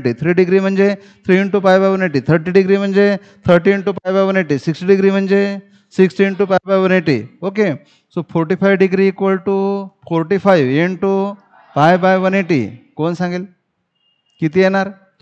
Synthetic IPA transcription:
ʈit̪ʰɾiːɖiɡɾim̤ənd͡ʒe | t̪ʰɾieɳʈupajbajʋəneʈit̪ʰəɾʈiɖiɡɾim̤ənd͡ʒe | t̪ʰəɾʈinʈupajbajʋəneʈisiksʈiɖiɡɾim̤ənd͡ʒe | siksʈinʈupajbajʋəneʈḭoke | sopʰoɾʈipʰajʋɖiɡɾiːkʋəlʈufʰɔɾʈipʰajʋeɳʈu | pajbajʋəneʈḭkoːnsãŋɡel | kit̪ienaɾ

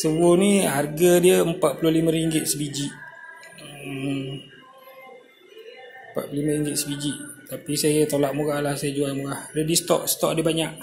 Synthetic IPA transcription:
səbʊniɦarɡadiəəmpat̪̚pulʊhliməɾiŋɡɪt̪̚səbid͡ʒiʔ | mpa̰t̪pulimaɾiŋɡɪt̪̚səbid͡ʒiʔt̪apisajət̪olaʔmuɣahlahsajəd͡ʒualmuɣahɾedist̪ɔ̰ʔsə̥t̪ɔʔ̚dibaɲaʔ

